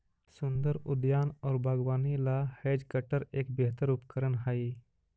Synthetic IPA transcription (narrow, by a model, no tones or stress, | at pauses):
sʊnd̪əɾʊd̪jaːnɔːɾbʱaɡwaːnilaheːd͡ʒkəʈəɾeːkbeɦt̪əɾʊpkəɾənɦaːiː